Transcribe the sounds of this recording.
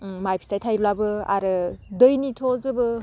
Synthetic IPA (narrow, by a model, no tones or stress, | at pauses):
majpʰi̥sajtʰajɾulabɯa̰ɾɯdɯjnitʰɔzɯbɯ